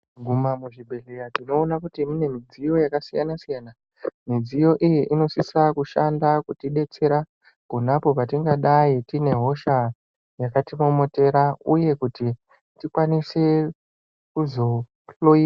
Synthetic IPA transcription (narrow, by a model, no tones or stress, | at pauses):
ɡʱumamuʐibʱeɮejatino̞ːnakutimune̞mid͡zijo̞jakasijanasijana | mid͡zijo̞ʔijiʔino̞sisakuʃandakutiɗe̞t͡se̞ɾa | kunapo̞patiŋɡaɗaitine̞ɦo̞ʃa | jakatimomote̞ɾauje̞kuti | tikwanise̞ | kuzo̞ | loi